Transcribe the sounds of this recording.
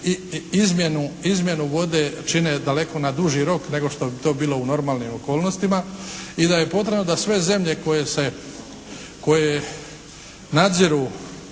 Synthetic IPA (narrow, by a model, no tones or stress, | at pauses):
iizmjenuizmʲje̞nuʋo̞d̪e̞t͡ʃine̞d̪ale̞ko̞nad̪uʒiɾo̞kne̞ɡo̞ʃt̪o̞bit̪o̞ːbiːlˠo̞uno̞ɾmaːlˠnimo̞ko̞ːlno̞st̪imaid̪aje̞po̞t̪̬ɾebnod̪asʋe̞ze̞mʎe̞ko̞je̞se̞ | ko̞je | nad̪ziɾu